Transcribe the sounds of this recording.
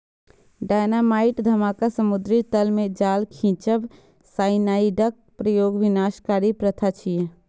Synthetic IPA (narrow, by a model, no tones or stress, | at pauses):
ɖaːjnamaːɪʈd̪ʱɐmaːkasəmʊd̪ɾit̪əlmẽd͡ʒaːlkʰĩːt͡ʃəʋ | saːɪnaːiɖək̚pɾəjoːɡʋɪnaːʃkaːɾipɾət̪ʰat͡ʃʰije